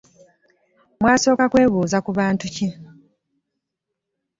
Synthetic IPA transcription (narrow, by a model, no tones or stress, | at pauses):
mwaːso̞ːkakwe̞ːβuːzakuβaːntuci